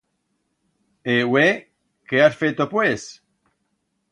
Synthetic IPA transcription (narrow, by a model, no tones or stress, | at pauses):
ewe | keasfet̪opwes